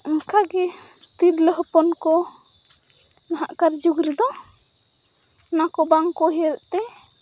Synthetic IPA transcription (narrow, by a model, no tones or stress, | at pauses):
əŋkaɡɛt̪iɾləɦɔpɔnkɔ | naɦa̰ʔkaɾd͡ʒuɡɾid̪ɔ | nakɔbaŋkɔɦɛlt̪ɛ